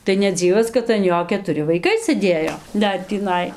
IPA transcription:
tɐɪ nʲɛˈd͡zʲiːʋɐs kɐt ɐn ˈjoː kʲɛtʊˈrʲɪ ʋɐɪˈkɐɪ sɘˈdʲeːjoː ˈdɐr tʲiːˈnɐɪ

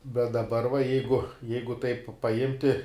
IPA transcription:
bʲɛt dɐˈbɐr ʋɐ ˈjɛɪɡʊ ˈjɛɪɡʊ tɐɪp pɐˈɪmʲtʲɪ

